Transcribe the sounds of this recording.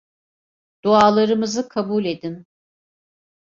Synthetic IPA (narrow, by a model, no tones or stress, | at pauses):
d̪̥uaːlˠaɾɯmɯzɯkʰabulʲed̪in